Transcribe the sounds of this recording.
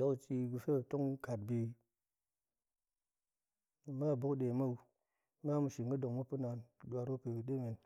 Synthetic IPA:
a˨˦wt͡ʃi˨ɡu˨fe˦˨to˦ŋka˨d̚bi˨ | ma˦bu˦kɗe˨ma˦w | ma˦mu˨ʃi˨ŋɡə˦do˨ŋmu˦pu˦na˨n˨ɗwa˨ɾo˦pe˨bi˨ɗe˦me˨n

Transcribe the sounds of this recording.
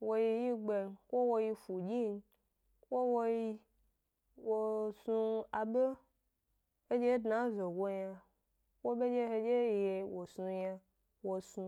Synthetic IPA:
wo˦ji˦ji˦ɡ͡be˨˧n˨ko˦wo˦ji˧fu˨d͡ʒi˦n˦ | kʷo˦wo˦ji˦ | wo˨sũ˧a˨be˦ | e˦d͡ʒe˦dna˨˦zo˨ɡʷo˦ɲã˧ | wo˦be˦d͡ʒe˦ɦe˦d͡ʒe˦je˨wo˨sũ˨˧ɲa˧ | wo˨sũ˨

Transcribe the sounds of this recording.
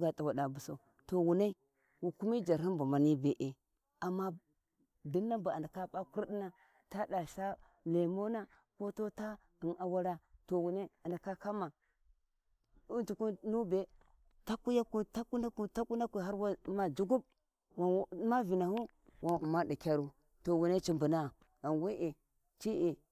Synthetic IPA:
ɡa˨ta˨wa˨ɗa˨bu˨sa˨ | to˨wu˨na˦i˦ | wu˨ku˦mi˦d͡ʒa˨ɾɦi˦bu˨ma˨ni˦be˨ʔe˨ | a˨mːa˦ | di˦nːa˦ba˨a˨nda˨ka˦ɓa˦ku˦ɾɗi˦na˦ | ta˦da˨ʃa˦ | le˨mo˦na˦ | ko˦to˦ta˦ | i˨na˨wa˦ɾa˦to˨wu˨na˦a˨nda˨ka˦ka˦ma˨ | u˦tu˨ku˦nu˦be˨ | ta˦ku˦ja˦ku˦ta˦ku˦na˦ku˦ta˦ku˦na˦ki˨ɦa˦ɾwa˦ma˨d͡ʒu˦ɡu˦b̚ | wa˨˦ma˦vi˨na˨hu˦ | wa˨nu˨ma˦di˨kʲa˦ɾu˦ | to˨wu˨ne˦t͡ʃi˨mbu˨na˦˨ | a˨nwe˦ʔe˨ | t͡ʃi˦ʔi˨

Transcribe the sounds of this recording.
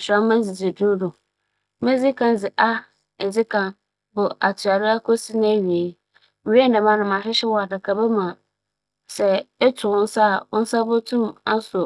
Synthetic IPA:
ɕᶣã˦mã˦d͡zɪ˨d͡zɪ˨dʊ˦dʊ̃˨ | mẽ˦d͡zɪ˦kʰã˦n˦d͡zɪ˨ʔa˦ | ɛ˨d͡zɪ˦kʰã˨n | bʊ˨a˨tʰu˨a˨ɾɪ˦a˦kʰo˦si˦nã˦˨ɥi˨e˨˦ | m̩˨i˦ɛ˦nã˨mã˨nʊ̃˨mã˨ɕɪ˦ɕɪ˦wɔ˨a˨da˨kʰa˨bɛ˦mã˨ | sɛ˨ɛ˦tʰʊ˨ʊ̃˦n̩˦sa˦˨ʊ˦n̩˦sa˦bo˦tʰũ˦ma˦sʊ˨

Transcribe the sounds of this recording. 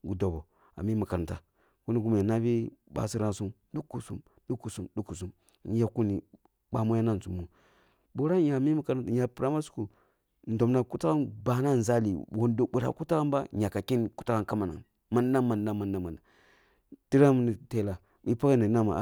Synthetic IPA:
ɡu˨do˨bo˨ | a̰˨mi˦mu˨ka˨n˨ta˨ | ku˦ni˦ɡu˦m˨a˨na˦bi˦ɓa̰˨si˦ɾa˦nsu˦m | du˦kːu˨sṵ˦m | ɗu˦kːu˨su˦mdu˦kːu˨su˦m˨˦ | ja˨ku˦ni˨ | ɓa˨mu˦ja˦na˦˨n˨su˨mːu˨ | bo˨˦ɾa˦ja˨mi˦mu˨ka˨ɾta˨˦ja˨pɾa˦ma˦su̥˦ku˨ | n̩˨do˨mna˨ku˦ta˦ɾa˦nba˨na˦˨n˨za˦lḭ˨wo˨ndo˨ɓu˨ɾa̰˨ku˦ta˦ɾa˦mba˦ɲa˨ka˨ki˦nku˦ta˦ka˦nka˦ma˨na̰˨ | ma˦n˦da˦ma˨nda˦ma˨nːa˦ma˨nda˨ | ti˦ɾa˦m˦ni˨te˦la˨ | i˦pa˦ka˦ni˨na˦ma̰˨˦

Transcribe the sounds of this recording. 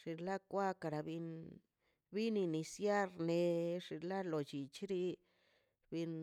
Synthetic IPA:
ʂi˧la˦kʷa˦ka˨ɾa˨bi˧n | bi˦ni˧ni˧sja˦ɾne˧ʂi˧la˦lo˨t͡ʃi˨t͡ʃɾi˦ | bi˧n

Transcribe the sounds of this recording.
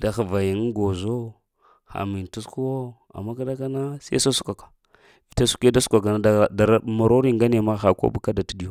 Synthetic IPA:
da˨xə˨va˨ji˨ŋ˦ɡo˨zo˦ | xa̰˨mi˨n˨tu˦sku˦wo˦ | a̰˨mːa˦ka˦da˦ka˦na˦sḭ˦a̰˦so˦su˦kʷa˨kḁ˨ | vi˨ta˦su̥˦ke˦da˦su̥˦kʷa˨k̬a˨na˨a˨da˨ɾma˨ɾo˦ɾi˦ŋɡa˦ne˨ma˦xa˨ko̰˦bu˦ka˦da˨ti˦di˦jo˦

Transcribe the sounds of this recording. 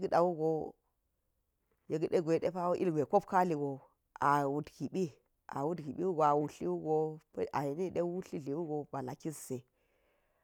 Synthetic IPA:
ɡɗa˨wu˦ɡo˨ | je˨ɡi˦˨ɗe˦ɡʷe˨ɗḛ˦pa˦wo˦ʔi˦lɡʷe˨ko˦pka˦li˨ɡo˨ | a˨wu˨dɡi˨ɓi˦ | a̰˨wu˦dɡi˨ɓi˦wu˦ɡo˨a˨wu˨ɬi˦wu˦ɡo˦pa˨je˨ni˦ɗe˦wu˦ɬi˦ɮi˨wu˦ɡo˨ba˨la˨ki˦sse˨

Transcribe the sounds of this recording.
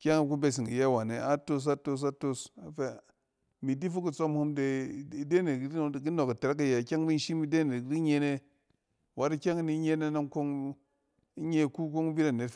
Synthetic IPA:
kʲa˦ŋ˦ku˦be˨s̬i˨ŋi˨je˦˨wa˨ne˨a˦to˦s̬a˦to˧s̬a˦to˦sa˨fe˦ | mi˨di˦fu˦ki˦˨t͡so˦mhu˦mde˨i˨de˦ne˨ɡi˦˨ɡi˦no˨ka˨te˨ɾa˦k̬a˨je˨kʲa˦ŋ˦mi˦ʃi˦mi˦de˦ne˨ɡdi˦ɲe˦ne˦ | wa˨ɾi˦kʲa˦ŋ˦ni˨˦ɲe˦ne˦na˦ŋko˦ŋ | i˦ɲe˦˨ku˦ko˦ŋ˦bi˦ɾa˨ne˨˦

